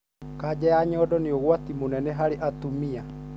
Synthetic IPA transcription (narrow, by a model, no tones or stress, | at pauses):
kad͡ʑɛjaɲɔːdɔneoɣwatimonɛnɛɦaɾeʔatumia